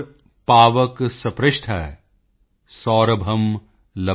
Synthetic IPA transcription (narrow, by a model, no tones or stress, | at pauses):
paːʋəksɐpɾɪʃʈ̪ʰɐ | sɔːɾɐbʱɐm | lɐ